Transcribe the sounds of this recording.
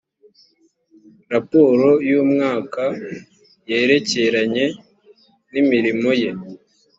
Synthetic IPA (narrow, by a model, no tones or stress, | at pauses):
ɾapo̞ɾo̞juːmŋaːka | jeːɾe̞ce̞ɾaɲe̞ | nimiɾimo̞je̞